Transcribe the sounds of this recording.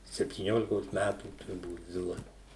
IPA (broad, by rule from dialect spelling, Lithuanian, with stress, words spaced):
sʲɛpʲtʲiːˈnʲoːlʲɪkoːs ˈmʲætuː tʊrˈbuːt ˈzʲɪlˠɐ